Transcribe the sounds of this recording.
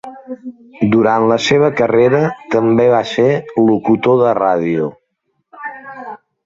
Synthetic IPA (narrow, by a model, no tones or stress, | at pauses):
d̪uɾant̪ləseβ̞əkəreɾət̪əmbeβaselukut̪oðəraðiu